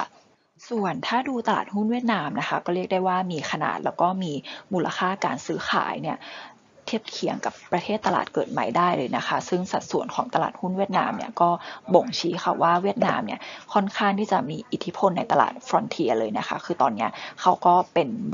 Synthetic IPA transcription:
su˨˩ənt̪ʰaː˥˩duː˧t̪a˧la̰ː˨˩t̪̚hu˥˩nwi˥˩t̪̚naː˧mna˦˥xʰa˦˥kɔː˥˩ɾi˥˩ək̚daː˥˩jwaː˥˩miː˧xʰa˧na̰ː˨˩t̪̚lɛː˦˥wkɔː˥˩miː˧muː˧lʔa˧xʰaː˥˩kaː˧nsɯː˦˥xʰa̰ː˩˦jni˥˩ɐ | t̪ʰi˦˥˩əp̚kʰi˨˩˦əŋka˨˩pːɾa˧t̪ʰeː˥˩t̪ːa˧la̰ː˨˩t̪̚kɤː˨˩t̪̚ma˦˥jdaː˥˩jlɤː˧jna˦˥xʰa˦˥sɯ˥˩ŋsa˨˩t̪̚su˨˩ənkʰɔ̰ː˩˦ŋt̪a˧la̰ː˨˩t̪̚hu˥˩nwi˥˩t̪̚na̰ː˧mni˥ɐkɔː˥˩bo˨˩ŋt͡ɕʰiː˨˦˥xʰa˧˩waː˥˩wi˥˩ət̪̚na̰ː˧mni˦˥ɐkʰɔ˥˩nkʰaː˥˩ŋt̪ʰiː˥˩t͡ɕa˨˩miː˧ʔi˨˩t̪ʰːi˦˥pʰo˧nːa˧jt̪a˧la̰ː˨˩t̪̚fɾo˧˦nt̪ʰi˧ɐlɤː˧jna˦˥xʰa˦˥kʰɯː˧t̪ɔː˧nːi˦˥ɐkʰa˦˥wkɔː˥˩pe˧n

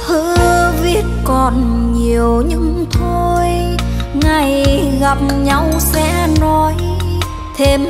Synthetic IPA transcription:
hɨ̰˧˥vi˦˥ət̚kɔ˨˩n | ɲi˨˩əwɲɨ˧ŋt̪ʰo˧jŋa˨˩jɣa˨˩p̚ɲa˧wsɛ̰˧˥nɔ˨˧˦j | t̪ʰe˧m

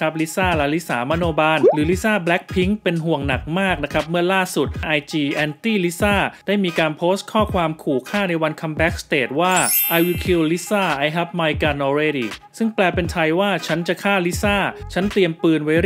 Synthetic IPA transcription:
a˦˥p̚li˦˥saː˥˩lɛ˦˥li˦˥sa̰ː˩˦ma˧˥noː˧baː˧nɾɯː˩˦li˦˥saː˥˩blɛ˦˥k̚pʰi˦˥ŋpe˧nɦu˨˩əŋna˨˩k̚maː˥˩k̚na˦˥kʰa˦˥p̬̚mɯ˥˩ɐlaː˥˩su˨˩t̪̚ʔa˧jt͡ɕiː˧ʔɛː˧nt̪iː˥˩li˦˥saː˥˩d̥aː˥˩jmiː˧kaː˧npʰoː˦˥st̪̚kʰɔː˥˩kʰwaː˧mkʰuː˨˩kʰaː˥˩na˧jwa˧nkʰa˧mbɛ˦˥k̚st̪eː˨˩t̪̚waː˥˩ʔa˧jwi˧kʰi˧wli˦˥saː˥˩ʔa˧jɦɛ˦˥p̚maː˧jka˧nʔɔː˧ɾe˦˧diː˧˩sɯ˥˩ŋplɛː˧pe˧nt̪ʰa˧jwaː˥˩t͡ɕʰa˦˥nt͡ɕa˨˩kʰaː˥˩li˦˥saː˥˩t͡ɕʰa˦˥nt̪i˧əmpɯː˧nwa˦˥

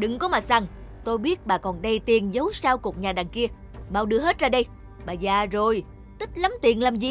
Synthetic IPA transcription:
ɗɨ˨ŋkɔ˨˦maː˨˩sa˨˧˩ŋt̪o˧jɓi˦˥ət̚ɓaː˨˩kɔ˨˩nɗə˧jt̪i˨˩ənzə˨˦wsaː˧wku˨˩k̚ɲaː˨˩ɗaː˨˩ŋki˧ə | maː˧˩wɗɨ˧əɦe˦˥t̚zaː˧ɗə˧j | ɓaː˨˩zaː˨˩zo˨˩j | t̪ï˦˥k̟̚la˨˦mt̪i˨˩ənlaː˨˩mzi˨˩

